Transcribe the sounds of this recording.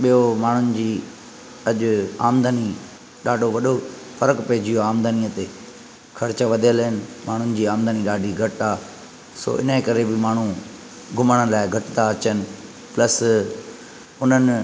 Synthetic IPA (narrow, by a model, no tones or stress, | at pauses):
ɓijomaːɳ̤ʊnɪ̆d͡ʑiː | ɐʄʊa̰ːmd̪əni | ɗaːɖʱoʋɐɗo | fɐɾəkpɛːd͡ʑʱijoaːmd̪əniːət̪e | xʰɐɾɪt͡ɕəʋɐd̪ʱijəlɦɪnɪ̆maːɳ̤ʊnɪ̆d͡ʑiːaːmd̪aniɗaːɖʱiɡʱɐʈaː | so̰ːʔɪ̰nəekɐɾebɪmaːɳ̤u | ɡʱʊməɽ̃əlaːɪɡʱɐʈɪt̪aɐt͡ɕənɪ̆ | plɐs | ʊn̤ənɪ